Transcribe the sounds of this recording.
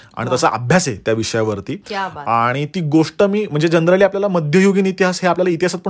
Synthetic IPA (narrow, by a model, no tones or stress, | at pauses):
a̰ɽ̃it̪əsaʔə̰bʱjaset̪jaʋiʂəjaʋəɾt̪iːaɽ̃it̪iːɡoʂʈəmiːm̤əɳd͡zed͡ʑənd̪ɾaliapljalaməd̪ʱjəjoɡiːnit̪iɦasɦeapljalait̪iɦasət̪̚pə